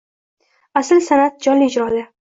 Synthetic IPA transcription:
asɪlsanat̪̚d͡ʒɒnliɪd͡ʒɾɒd̪a

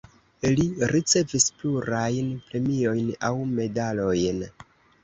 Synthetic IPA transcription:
eliɾit͡se̞vispluɾajnpɾe̞mio̞jnawme̞dalo̞jn

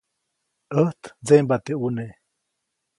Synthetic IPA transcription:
ʔəht̪d͡zembat̪eune

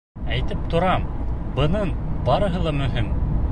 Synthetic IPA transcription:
æjt̪ɘp̚t̪ʰŏɾɑmbɤ̆nɤɴbɑɾɤ̆ɦɤlˠɑmɵ̆ɦim

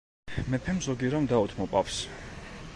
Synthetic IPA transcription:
mɛpʰɛmzɔɡiɾɔmd̪aut̪ʰmɔpʼafs

